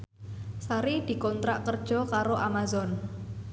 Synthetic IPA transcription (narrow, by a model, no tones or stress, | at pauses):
saɾid̪̥i̤kɔnt̪ɾaʔkərd̥ʒ̥ɔ̤kaɾoʔamazɔn